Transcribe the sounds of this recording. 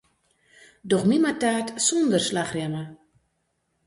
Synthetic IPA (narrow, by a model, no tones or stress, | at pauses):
dɔxmimataːtsɔndərslaxrjɛmə